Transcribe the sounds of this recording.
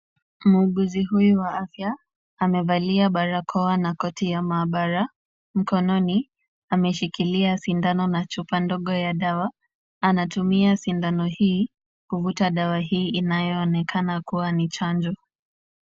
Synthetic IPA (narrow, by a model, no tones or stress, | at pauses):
m̩uɠuziɦujuwaafjaː | mɛvaliaɓaɾakʰɔanakɔtijamaːɓaɾa | m̩kɔnɔni | amɛʃikiliasindanɔnat͡ʃupandɔɠɔjaɗawa | anatumiasindanɔhiː | kuvutaɗawaɦiːinajɔːnɛkʰanakuwanit͡ʃand͡ʒɔ